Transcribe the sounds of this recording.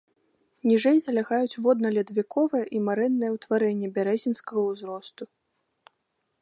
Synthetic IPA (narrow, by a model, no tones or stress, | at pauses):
nʲiʐɛjzɐlʲaɣajut͡sʲvɔd̪̚nɐlʲɛd̪vʲikɔvɨjɛʔimaɾɛnːɨjɛwt̪vaɾɛnʲːɛbʲaɾɛzʲinskɐɣɐwzɾɔst̪u